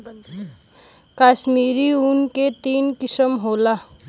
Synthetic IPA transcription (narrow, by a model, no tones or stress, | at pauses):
kaːʃmiːɾiunket̪iːnkɪsəmɦoːlaː